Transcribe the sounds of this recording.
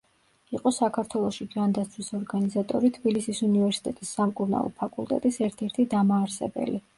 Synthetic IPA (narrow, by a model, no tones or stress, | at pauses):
iqʼɔsakʰaɾt̪ʰwɛlˠɔʃid͡ʒand̪at̪sʰwisɔɾɡanizat̪ʼɔɾit̪ʰbilisisunivɛɾsi̥t̪ʼɛt̪ʼisːamkʼuɾna̰lˠɔ̰pʰakʼulˠt̪ʼɛ̰t̪ʼisɛɾt̪ʰɛɾt̪ʰid̪amaːɾsɛ̰bɛ̰li